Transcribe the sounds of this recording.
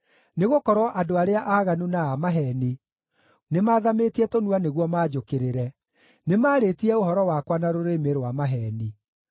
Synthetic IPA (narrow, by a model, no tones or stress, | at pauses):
neɣokɔɾwɔʔadoaɾeaʔaːɣanunaamaɦɛni | nemaːðametiɛtonuaneɣwɔmaːd͡ʒokeɾeɾɛ | nemaːɾetiɛoɦɔɾɔwakwanaɾoɾemeɾwamaɦɛni